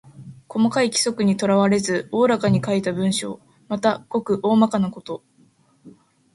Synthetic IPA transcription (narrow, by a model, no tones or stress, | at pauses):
ko̞makaikʲi̥so̞kɯ̟ɲ̟it̪o̞ɾaβaɾe̞zɨo̞ːɾakaɲ̟ikait̪abɯ̟̃ɰ̃ɕo̞̰ː | mat̪aɡ̥o̞kɯ̟ʔo̞ːmakanako̞t̪o̞